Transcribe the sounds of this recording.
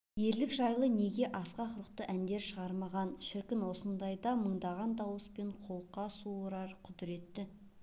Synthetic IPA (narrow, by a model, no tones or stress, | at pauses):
je̞ɾlɪkʒɑjlˠəne̞ɡʲe̞ʔɑsqɑqʰʊɾəqt̪əʔænd̪e̞ɾʃəʁɑɾmɑʁɑnʃɪɾkʲɪnwo̞sənd̪ɑjd̪ɑməɴd̪ɑʁɑnd̪ɑwəspe̞ɴqʰo̞lˠqːɑsuoɾɑɾqʰʊd̪ɪɾe̞t̪ːɪ